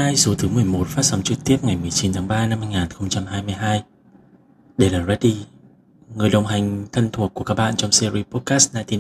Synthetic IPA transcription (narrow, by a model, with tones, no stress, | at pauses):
aː˧jso˨˦t̪ʰɨ˨˦mɨ˨˩əjmo˨˩t̚faː˦˥t̚sɔ˨˦ŋ͡mt͡ɕɨ˨˩k̚t̪i˦˥əp̚ŋa˨˩jmɨ˨˩əjt͡ɕi˨˦nt̪ʰaː˨˦ŋɓaː˧na˧mhaː˧jŋaː˨˩nxə˧wŋ͡mt͡ɕa˧mɦaː˧jmɨ˧əjɦaː˧j | ɗe˧˩laː˨˩zɛ˦˥t̚ɗi˧ | ŋɨ˨˩əjɗə˨˩wŋ͡mɦa˨˩jŋ̟t̪ʰə˧nt̪ʰu˨˩əkːəkaː˦˥k̚ɓa̰ː˧˨nt͡ɕɔ˧ŋ͡msi˧ɾi˧pɔ˦˥t̚kaː˦˥st̚naː˧t̪i˧